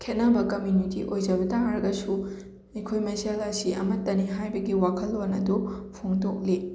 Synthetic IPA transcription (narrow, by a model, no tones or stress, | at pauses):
kʰet̚nabɐkɐmjunitḭʔojd͡ʒɐbɐtaŋɾɐɡɐsu | ɐjkʰojmeselasiʔɐmɐtːɐniɦajbɐɡiwakʰɐlːonɐdupʰoŋdok̚le